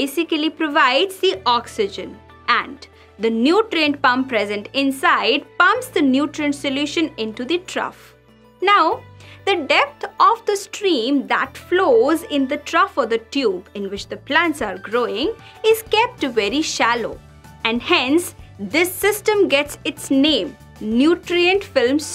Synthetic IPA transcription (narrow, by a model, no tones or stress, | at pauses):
esɪkəlipɾoʋaɪɖzd̪iʔɔksɪd͡ʒə̃n | æ̃n | d̪ənjuːʈɾẽnɖ̚pʌ̃mpɾɛzə̃nʈɪ̃nsaɪɖpʌ̃mpsd̪ənjuːʈɾẽnɖsɪljuːʃə̃nɪ̃nʈud̪iʈʰɾʌ̰f | naʊd̪əɖɛp̚t̪ʰɔfd̪əsʈɾĩːmd̪æʈfloːzɪ̃nd̪əʈʰɾʌfɔd̪əʈjuːbɪ̃nʋɪt͡ʃd̪əplæ̃nʈsaɾɡɾoːɪ̃ŋ | ɪz̥kɛp̚ʈʋɛɾiʃælo̰ː | æ̃ɳɖhɛ̃nsd̪ɪsːɪsʈə̃mɡɛʈsɪʈsnẽːm | njuːʈɾiə̃ɳʈfɪlms